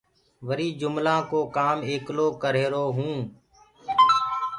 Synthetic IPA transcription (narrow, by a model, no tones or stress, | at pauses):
ʋəɾiːd͡ʒʊmlãːkoːkaːmeːkloːkəɾeːɾoːɦũː